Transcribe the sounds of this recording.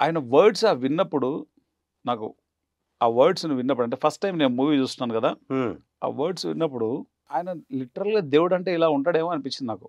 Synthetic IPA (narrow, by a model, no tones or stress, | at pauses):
a̰ːjɐnɐʋɐːɾɖsaːʋinːɐpːuɽu | naːkṵ | aːʋɐɾɖsnuʋinːɐp̬ːɽɐɳʈ̬e̞ːpʰɐsʈːɐjmne̞ːnumuːʋiːt͡ʃuːst̪unaːnukɐd̪aː | a̰ːʋɐːɾɖsʋḭnːɐp̬ːuɽu | aːjɐnɐliʈːɐɾɐlɡaːd̪eːʋuɽɐɳʈe̞ːilaːuɳʈaːɽe̞ːmoːɐnipit͡ʃːind̪inaːku̥